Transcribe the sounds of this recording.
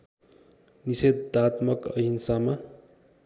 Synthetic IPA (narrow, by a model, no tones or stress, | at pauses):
nised̪at̪mʌkʌɦinsama